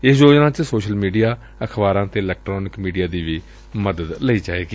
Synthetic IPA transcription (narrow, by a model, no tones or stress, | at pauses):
ɪsjoːd͡ʒnãːt͡ʃsoːʃəlmiːɖijaː | əkʰbaːɾãːt̪eːɪlɛːk̚ʈɾoːnɪkmiːɖijaːd̪iːʋiː | məd̪əd̪ləiːd͡ʒaːeːɡiː